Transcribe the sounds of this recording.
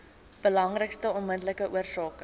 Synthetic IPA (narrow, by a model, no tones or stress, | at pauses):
b̥əlɐŋrəkstəɔnməndləkəʔuərsɑːkə